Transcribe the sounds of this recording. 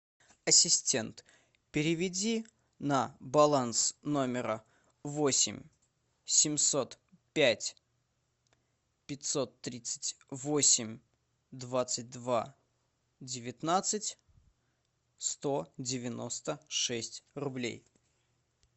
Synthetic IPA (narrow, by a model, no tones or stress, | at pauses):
ɐsʲɪsʲtʲe̞nt̪ | pʲɪɾʲɪvʲɪdʲi | nəbɐlˠansnomʲɪɾə | vo̞sʲɪ̰mʲ | sʲɪmʲso̞t̪ | pʲætʲ | pʲɪtʲso̞t̪ːɾʲit̪sɨ̥tʲ | vo̞sʲɪmʲ | d̪vat̪sɨt̚ʲd̪va̰ | dʲɪvʲɪt̪nat̪sɨtʲ | st̪o̞dʲɪvʲɪno̞st̪əʂɛsʲtʲrʊblʲḛj